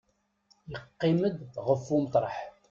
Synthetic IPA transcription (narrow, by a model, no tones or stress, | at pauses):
jəqːiməd̪ʁəfːumət̪ˤɾˤɑħ